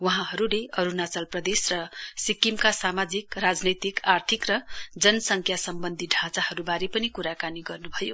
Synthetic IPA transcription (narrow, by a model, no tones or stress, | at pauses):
wʌɦãɦʌɾuleʌɾunat͡sʌlprʌd̪esrʌsikimkasamad͡zikrad͡znʌjt̪ikʰart̪ʰikrʌd͡zʌnʌsʌŋkʰjasʌmbʌnd̪ʱiɖʱãt͡sahʌɾubaɾepʌnikuɾakaniɡʌrnubʱʌjo